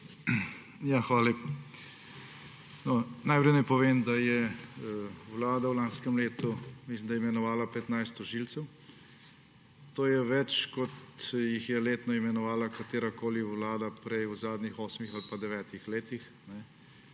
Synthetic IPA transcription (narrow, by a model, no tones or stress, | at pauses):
jaxʋaːlep | nɔnajpɾɛjnɛpɔʋeːmd̪ajɛ | wlaːd̪awlaːnskɛmleːt̪umislimd̪ajɛimɛnɔʋaːlapɛt̪najst̪ɔʒilt̪sɛw | t̪oːjɛʋɛt͡ʃkɔt̪jixjɛleːt̪nɔimɛnɔʋaːlakat̪eːɾakoːliwlaːd̪apɾɛjuzaːd̪nixoːsmixalpad̪ɛʋɛːt̪ixleːt̪ix | nɛ